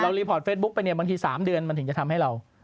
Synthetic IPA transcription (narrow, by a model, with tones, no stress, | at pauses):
ɾa˧wliː˧pʰɔː˨˩t̚feː˦˥t̪̚bu˦˥k̚pa˧jni˥˩ɐbaː˧ŋt̪ʰiː˧saː˩˦mdɯ˧ənma˧nt̪ʰt͡ɕa˨˩t̪ʰa˧mha˥˩jɾa˧w